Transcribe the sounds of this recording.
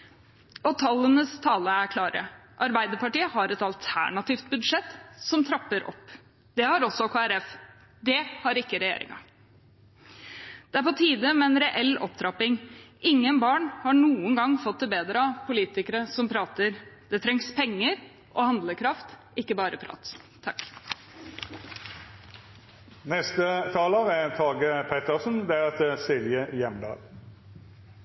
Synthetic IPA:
ɔt̪ʰɑlːənəst̪ʰɑːləækʰlɑːɾə̰ | ʔɑɾbæɪd̪əɾpɑʈiːəhɑɾɛt̪ɑlt̪ʰæ̰ɳɑt̪ɪːft̪̚bʉd̪ʂɛt̪ːsɔmt̪ʰɾɑpːəɾɔ̰pː | d̪ɛhɑɾɔsɔkʰoːæɾɛf | d̪ɛhɑɾɪkːəɾɛjḛːɾɪ̰ŋɑ̰ | d̪̥ɛæɾpɔt̪ʰiːd̪əmɛɛnɾɛʔɛlːɔ̰p̚d̪ɾɑpːɪŋɪŋːənbɑːɳhɑɳuːənɡɑŋfɔt̪̚d̪ɛbeːd̪ɾəɑpʰʊliːt̪ɪkəɾəsɔmpʰɾɑːt̪əɾd̪̥ɛt̪ʰɾɛŋspʰɛŋːəɾ | ʔɔhɑnd̪ləkʰɾɑft̪ʔɪkːəbɑːɾəpʰɾɑ̰ːt̪s | t̪ʰɑkː | nɛst̪ət̪ʰɑːləʁæt̪ʰɑːɡəpʰɛt̪əʁsnd̪ɛæʁɛt̪əsɪljəjɛmd̪ɑ̰ːl

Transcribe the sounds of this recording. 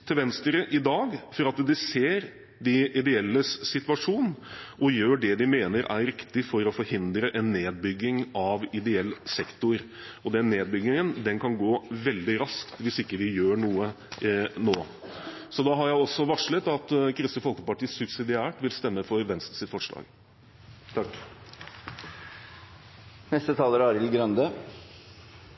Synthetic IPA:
t̪ʰɪlʋɛnst̪ɾəʔɪd̪ɑːɡfɔɾɑt̪d̪ɪseːɾ | d̪ɪɪd̪ɛɛlːəsɪt̪ʉʋɑʂuːnʔɔjøːɖɛd̪ɪmeːnəɾʔæ̰ɾɾɪkt̪ɪfɔɾɔfɔɾhɪnd̪ɾəʔɛnːeːd̪̚bʏɡːɪŋɑʋɪd̪ɛɛlːsɛkt̪ʊɾ | ɔd̪ɛnːeːd̪̚bʏɡɪŋənd̪ɛnkʰɑnɡoːʋɛld̪ɪɾɑskt̪ʋɪsɪkːəʋɪjøːɳuːə | noː | sɔd̪ɑɦɑɾjæɪɔsːɔʋɑʂɭət̪ɑt̪kʰɾɪst̪əfɔlkəpɑʈiːsʉpsɪd̪ɪæːʈʋɪlst̪ɛmːəfɔɾʋɛnst̪sɪt̪fɔʂɭɑ̰ːɡ | t̪ʰkː | nɛst̪ət̪ʰɑːləɾɑːɾɪlɡɾœnd̪ə

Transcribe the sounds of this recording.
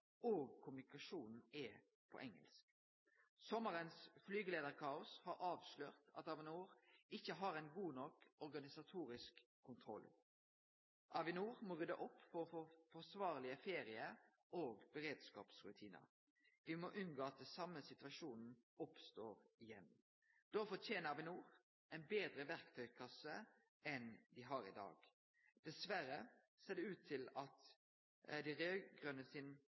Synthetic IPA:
oːɡ̚kʰʊmʉnɪkɑʂuːnn̩ɛ | pʰɔ̰ʔɛŋə̰lsk | sɔməɾənsflyːɡəleːd̪əʁkʰɑːʊshɑɾɑːʋʃløːʁt̪ɑ̰t̪ɑʋɪnuːʁɪçːəɦɑɾɛnɡuːnɔkɔʁɡɑnɪsɑt̪ʰuːɾɪskʰː | ʊnt̪ʰɾɔ̰l | ʔɑʋɪnuːʁmoːʁʉd̪əʔɔpːfɔʁfɔfɔsʋɑːʁlɪəfeːɾɪəɾ | oːɡbəɾeːd̪skɑ̰ːpsʁʉ̰t̪ʰiːnə̰ | ʋɪmoːʔʉnɡoːɑt̪̚d̪ɛsɑmːəsɪt̪ʉɑʃuːnn̩ɔpst̪oːɾɪjɛn | d̪̥ɔfɔt̪ʰjeːnəɑʋɪnuːɾ | ɛnbeːd̪ɾəʋæʁkt̪ʰœʏkʰɑsə | ɛnd̪ɪɦɑːɾɪ̰d̪ɑ̰ːɡ | d̪̥ɛsʋæɾə | seːʁd̪ɛʉːt̪ʰːɪlɑt̪ | d̪ɪɾøːɡʁœnəsɪn

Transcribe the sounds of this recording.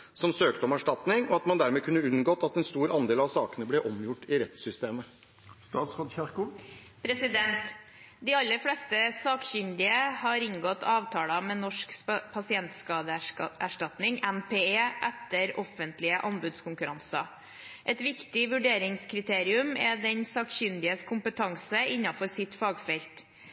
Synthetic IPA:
sɔmsøːkt̪əɔmæʂʈɑt̪nɪŋɔɑt̪mɑnd̪æɾmeːkʰʉnːəʉnɡoːt̪ɑt̪ɛnst̪uːɾɑnd̪eːlɑʋsɑːkənəblɛʔɔmjʊʈːɪɾɛt̪sʏst̪eːmə | st̪ɑːt̪sʁot̪çɑɾkʊ | pʰɾɛsɪd̪ɛnt̪ | d̪ɪɑlːəɾflɛst̪əsɑːkɕʏnd̪ɪəhɑɾɪŋɡɔt̪ʰːɑːʋt̪ʰɑːlɑmɛːnɔʂkpʰɑsɪɛnt̪skɑːd̪əæʂʈɑt̪nɪŋʔɛnpʰeːeːʔæt̪ːəɾɔfənt̪lɪəʔɑnbʉd̪skʰʊŋkʉɾɑnsɑ̰ | ʔɛt̪ʋɪkt̪ɪʋʉɖeːɾɪŋskʰɾɪt̪ʰeːɾɪʉmɛd̪ɛɲsɑːkçʏnd̪ɪəskʰʊmpət̪ʰɑŋsəɪɲːɑfɔɾsɪt̪fɑːɡfɛlt̪

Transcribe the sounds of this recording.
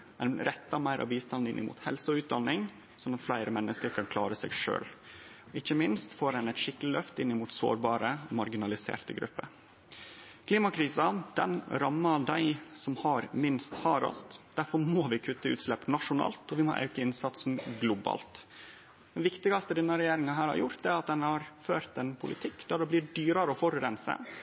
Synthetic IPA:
ænɾɛt̪ːɑmæɪɾʔɑ̰ʋiːst̪ɑnɪnʔɪ̰mṵːt̪hɛlsəʉːt̪̚d̪ɑnːɪŋ | sɔnɑt̪flæɪɾəmɛnːəskəɾkʰɑnkʰlɑːɾəsḛːɡʂø̰ːl | ɪçːəmɪnst̪foːɾɛnɛt̪ʂɪklɪlœft̪ɪnːɪmuːt̪so̰ːɾbɑːɾəɔmɑɾɡɪnɑlɪsḛːɾt̪əɡɾʉ̰pːə | kʰliːmɑkʰɾiːsɑd̪̥ɛ̰nɾɑmːɑd̪æɪsɔmhɑɾmɪnst̪hɑɾɔ̰sd̪̥æɾfɔɾmoːʋɪkʰʉt̪ːəʉ̰ːt̪slɛpːnɑʂʊnɑ̰ːlt̪ɔʋɪmɔ̰ʔɑ̰ʉkəɪnsɑt̪sn̩ɡlʊbɑ̰ːlt̪ | ɛnʋɪkt̪ɪɡɑst̪əd̪ɛnːəɾɛjeːɾɪŋɑɦæːɾhɑ̰ɾjʊɾt̪ɛæɾɑt̪̚d̪ɛnhɑɾføːɾt̪ɛnpʰʊlɪ̰t̪ʰɪkːd̪̥æɖɛbliːɖyːɾɑɾəɔfɔɾɾɛnsə̰

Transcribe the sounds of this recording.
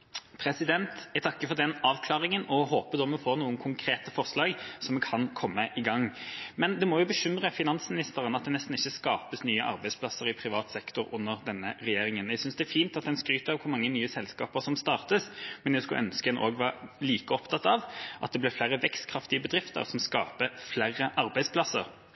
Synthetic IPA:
pʰɾɛsɪd̪ɛnt̪æɪt̪ʰɑkːəfɔʁd̪ɛnɑːʋkʰlɑːʁɪŋənɔɦoːpəd̪ɔmɔfoːʁnuːənkʰʊŋkʰɾeːt̪əfɔʁslɑːɡsɔmɛkʰɑnkʰɔmːəʔɪɡɑŋːmɛnd̪ɛmɔjʊbəɕʏmʁəfɪnɑnsmɪnɪst̪əʁənɑt̪̚d̪ɛnɛst̪n̩ɪçːəskɑːpəsnyːəʔɑ̰ɾbæɪspʰlɑsːəʁɪpʰɾɪʋɑːt̪sɛkt̪ʊɾʊnːəʁd̪ɛnːəʁɛjeːɾɪŋənæɪsʏnsd̪ɛːfiːnt̪ɑt̪̚d̪ɛnskɾyːt̪əɑʋkʰʊɾmɑŋːənyːəsɛlskɑːpəʁsɔmst̪ɑːʁt̪əsmɛnjæɪskʉʔœ̰nskəd̪ɛnʔo̰ːɡʋɑːliːkəɔpt̪ʰɑt̪ɑʋʔɑt̪d̪ɛblæɪflæɾəʋɛkst̪kʰɾʁɑft̪ɪəbəd̪ʁɪft̪ə̰ʁsɔmskɑ̰ːpəflæʁːəʔɑɾbæɪspʰlɑsːə̰ɾ

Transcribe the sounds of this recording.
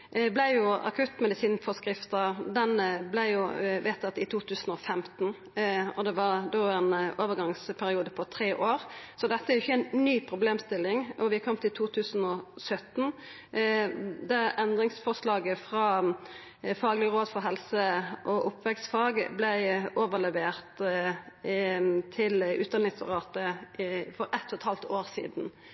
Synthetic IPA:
blæɪjʊɑ̰kʰʉt̪ːmɛd̪ɪsiːnfɔskɾɪft̪əd̪ɛnəblæɪjʊʋɛːt̪ːɑt̪ːɪt̪ʰuːt̪ʰʉːsən̩ɔfɛmt̪n̩ | ɔd̪ɛʋɑʁd̪oːɛnoːʋəɡɑŋspʰæɾɪuːd̪əpʰɔt̪ʰɾeːʔoːɾsɔd̪ɛt̪ːəæɾjʊɪçːəæɪnnyːpʰɾʊbleːmst̪ɪlːɪŋʔɔʋɪkʰɔmːt̪ʰɪlt̪ʰuːt̪ʰʉːsən̩ɔsœt̪ːn̩ | d̪æɾɛnd̪ɾɪŋsfɔʁʂlɑːɡəfʁɑː | fɑːɡlɪəʁoːd̪fɔɦɛlsəʔɔʔʊpʰːʋɛksfɑːɡblæɪʔoːʋəʁlɛʋeːʁt̪ | t̪ʰɪlʉ̰ːt̪ɛnɪsʊ̰ʁɑːt̪əfɔɾɛt̪ʰːɔt̪ʰɑːlt̪ʰoːɾsḭːd̪n̩

